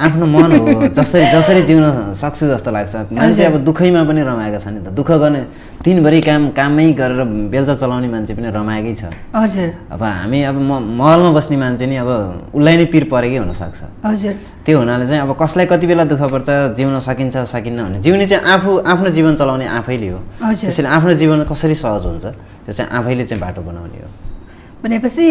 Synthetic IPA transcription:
apʰnomʌnɦɦod͡zʌst̪ʌɾid͡zʌsʌɾid͡ziwnʌsʌk̚t͡sʰud͡zʌst̪olaɡt͡sʰʌmant͡sʰeʌbʌd̪ukʰʌjmap̬ʌnirʌmaekat͡sʰʌnit̪ʌd̪ukʰʌɡʌrne | t̪inbʱʌɾikamkamːʌjɡʌɾeɾʌbelt͡sʌt͡sʌlawnemant͡sʰepʌnirʌmaekʌjt͡sʰʌ̰ʌd͡zu | ʌ̰bʌɦa̰miʌbʌmmʌɦʌlmabʌsnemant͡sʰeniʌβʌulːajnipirpʌɾekʌjɦunʌsʌ̰k̚t͡sʰʌ̰ɦʌd͡zuɾ | t̪joɦunalet͡saĩʌbʌkʌslajkʌt̪ibelad̪ukʰʌpʌrt͡sad͡ziwnʌsʌkint͡sʰʌsʌkinːʌbʱʌned͡ziwnet͡saĩʔapʰuʔapʰnod͡ziβʌnt͡sʌlawneʔapʰʌjleɦoʌd͡zesjleapʰnod͡ziβʌnkʌsʌɾisʌɦʌd͡zɦṵnt͡sʰʌ | t̪jot͡sãḭ̃ʔa̰pʰʌjlet͡sãĩbaʈobʌna̰wnḛɦo̰ | bʱʌnepʌt͡sʰi

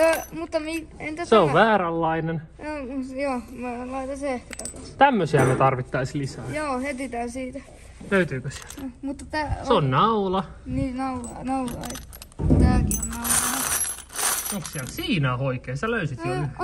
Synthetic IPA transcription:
mut̪ːɑmient̪æsseoʋʋæːɾælːɑinen | ojoːmæːlɑit̪ɑseehkæt̪ɑkɑst̪æmːøsiænet̪ɑrʋit̪ːɑislisæːjoːhet̪it̪æːsiːt̪æ | løyt̪yːkøsi̥ɛ̥lmut̪ːɑt̪æːseonnɑulɑniːnɑulɑnɑulɑet̪ː | t̪æːkionɑulɑ | oŋkssiælsiːnæoikeːsæløysit̪iæ

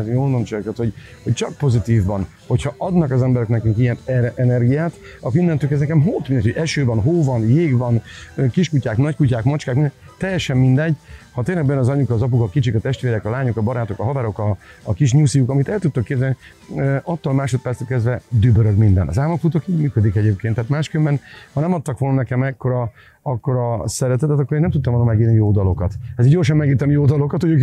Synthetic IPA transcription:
joːnomt͡ʃokɛt̪ho̞ɟ | ho̞ct͡ʃɒk̚po̞zit̪iːvːɒn | ho̞cʰhɒʔɒd̪nɒkɒzɛmbɛɾɛknɛkyŋkijɛnɛɛnɛrɡijaːt̪ɒkoinːɛnt̪ykɛznɛkɛmɦoːt̪mindɛcoɟɛʃøːvɒnɦoːvɒnjeːɡvɒnøkiʃkucaːknɒckucaːkmɒt͡ʃkaːkmind̪ɛt̪ɛjːɛʃɛmmind̪ɛɟhɒt̪eːnlɛɡbɛjnɒzɒɲukɒːzɒp̬ukɒkit͡ʃikɒt̪ɛʃt̪ʋeːɾɛkɒlaːɲukɒbɒɾaːt̪o̞kɒɦɒvaːɾo̞kɒːkiʃɲusijukɒmit̪ɛlt̪ut̪ːokːeːrzɛni | øɒt̪ːolmaːʃo̞t̪̚pɛɾt̪st̪øːlkɛzd̪vɛd̪ybøɾøɡmind̪ɛnɒ̰zaːmokfut̪okiːɟmyːkød̪ikɛɟeːpkeːnt̪ːaːt̪maːʃkømbɛnhɒnɛmɒt̪ːɒkʋo̞lnɒnɛkɛmɛkːo̞ɾɒ | ɒkːo̞ɾɒsɛɾɛt̪ɛt̪ɛt̪ɒkːoeːnɛmt̪ut̪ːɒmolnomɛɡiːrnijoːd̪ɒlo̞kɒt̪ɛziɟɟorʃɒmːɛɡiːrt̪ɛmjoːd̪ɒlo̞kɒt̪hoø

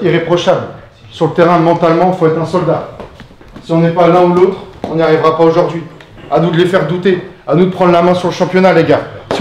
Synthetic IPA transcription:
iʁepχɔʃabl | syʁlət̪eʁɛ̃mɑ̃t̪almɑ̃ifoɛt̪χɛ̃sɔld̪a | siɔ̃nɛpalɛ̃ulot̪χɔ̃nijaʁivʁapaoʒuʁd̪ɥianud̪əlefɛʁd̪ut̪eanud̪əpχɑ̃d̪ʁlamɛ̃syʁləʃɑ̃pjɔnaleɡaʁs

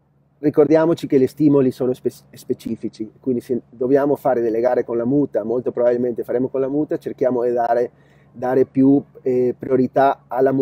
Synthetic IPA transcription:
rikord̪jaːmot͡ʃikelest̪iːmolisoːnose | spet͡ʃiːfit͡ʃikwind̪ised̪objaːmofaːɾed̪elːeɡaːɾekonlamuːt̪amolt̪opɾobabilment̪efaɾeːmokõnlamuːt̪at͡ʃerkjaːmod̪id̪aːɾe | d̪aːɾepjupɾioɾit̪aalːamu

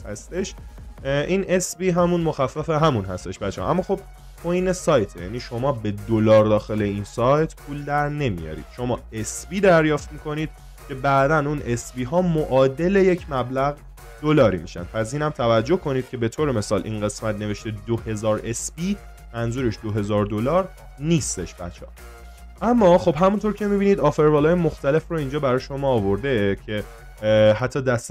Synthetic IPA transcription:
æst̪eʃ | ʔiːne̞sbiːɦæmunmo̞xæfːæfe̞ɦæmunɦæst̪e̞ʃbæehʔæ̰mːɒːxo̞b̥̚ | kʰojne̞sɒːjt̪ʰejæ̰niːʃo̞mɒːbe̞d̪olɒːɾd̪ɒːxe̞le̞insɒːjt̪ʰpʰuːld̪æɾne̞mḭjɒ̰ɾḭd̪̥ʃo̞mɒːesbiːd̪æɾjɒːft̪miːkʰo̞niːd̪̥̚ | cʰe̞bæʔd̪ænune̞sbiːɦɒːmoʔɒːd̪e̞le̞je̞cʰmæblæɣ | d̪̥olɒːɾiːmḭʃæ̰nd̪̚pʰæs̬iːnæmt̪ʰævæd͡ʒːo̞hkʰo̞niːd̪̥̚cʰʲe̞be̞t̪ʰoːɾeme̞sɒːlʔḭːnɢe̞smæt̪̚ʰne̞ve̞ʃt̪ed̪ohe̞zɒːɾe̞sbiː | mænzuːɾe̞ʃd̪oɦe̞zɒːɾd̪olɒːɾ | niːst̪e̞ʃb̥æ̰t͡ʃʰːɒ̰ː | ʔæmːɒːxo̞bɦæmunt̪ʰo̞ɾcʰe̞miːbiniːd̪ɒfe̞ɾbɒːlɒːjemoxt̪æle̞froiːnd͡ʒɒːbæɾɒːjeʃo̞mɒːvo̞ɾd̪ecʰe̞ | hæt̪ʰːɒːd̪æst̪

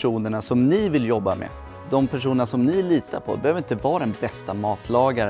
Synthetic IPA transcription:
uːnəɳasɔmnɪvɪljɔbːamḛ | d̪ɔmpʰæʂuːnənɳasɔmnɪliːt̪apʰɔ̰bɛhøːvɾɪnt̪əvɑːɾd̪ɛnbɛst̪amɑːt̪ʰlɑːɡaɾ

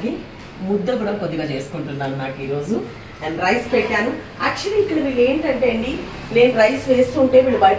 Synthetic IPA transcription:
ɡi | mud̪ːɐbuɽɐmpoðiɣɐt͡ɕeːskoɳɖunːaːlenːaːkːiɾoːsu | ɐnrɐjspeʈʲːaːnu | ɐkʂɐliːkːiɽiʋileːɳɖɐɳɖeːɳɖi | leːnrɐjsʋeːsuɳɖeːʋiɭuʋaːj

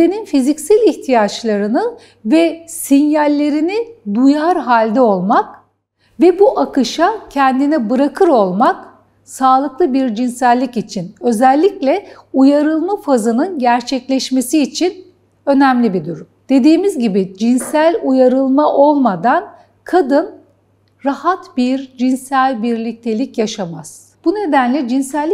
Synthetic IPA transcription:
eninfizicsælʲiht̪ʰijat͡ʃlˠaɾɯnɯ | vɛsinjalʲːe̞ɾinid̪ujaɾɦalʲd̪ɛo̞lˠmak | vɛbuʔakɯʃacʰɛnd̪inibɯɾakʰɯɾo̞lˠmak | saːlˠɯklˠɯbiɾd͡ʒinsælʲːicit͡ʃʰinø̞zɛlʲːiclʲɛujaɾɯlˠmafazɯnɯnɟæɾt͡ʃʰɛclʲɛʃme̞siːt͡ʃʰin | ø̞næmlʲibid̪uɾumd̪̥e̞d̪iːmizɟibid͡ʒinsælʲujaɾɯlˠmaʔo̞lˠmad̪an | kʰad̪ɯn | ɾahat̪biɾd͡ʒinsælʲbiɾlʲic̚t̪ʰe̞lʲicjaʃamaz̥ | b̥une̞d̪ænlʲɛd͡ʒinsælʲː

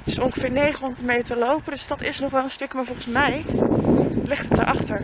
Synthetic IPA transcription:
tɪsɔŋχəfɪːɹnejχəɔ̃ndətmejətəlowpəndɵsdɑtɪ̰snɔχʋɛlˠənstɵkmaːɹvɔlˠχənsmɛj | lɪχtɦət̚ə̰ɹʔɑχtəɹ

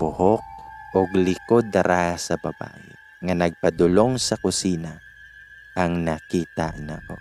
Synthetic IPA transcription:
bʊhok̚ʔoɡlɪkod̪ːɐɾahsɐbɐba̰ːʔɪ | ŋɐnɐɡ̚pɐd̪ʊloŋsɐkʊsiːnɐ | ʔɐŋnɐkiːt̪ɐ̰nɐʔo̞̰

